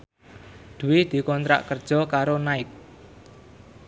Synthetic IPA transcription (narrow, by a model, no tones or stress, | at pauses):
d̪̥ṳwɪd̪̥i̤kɔnt̪ɾa̰ʔkərd̥ʒ̥ɔ̤kaɾonaɪk̚